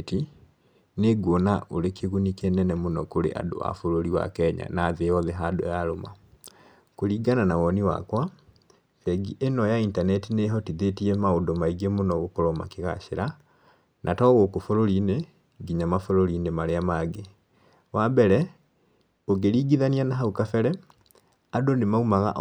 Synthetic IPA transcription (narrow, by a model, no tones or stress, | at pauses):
ti | neɡwɔnaʔoɾekeɣunikenɛnɛmonɔkoɾḛʔa̰do̰a̰foɾoɾiwa̰kɛɲa̰naːðeɔðɛɦado̰jaɾoma̰ | koɾiːɡananawɔniwa̰kwa | fɛɡiʔenɔjaintanɛtineɦɔtiðetiɛmaodomaiɡemonɔɣokoɾɔma̰keɣa̰ʃeɾa | nʔatɔɣokofoɾoɾine | ɡiɲamafoɾoɾinemaɾeamaɡe | wabɛɾɛ | oɡeɾiːɡiðanianaɦaukafɛɾɛ | adonemaumaɣa̰ʔ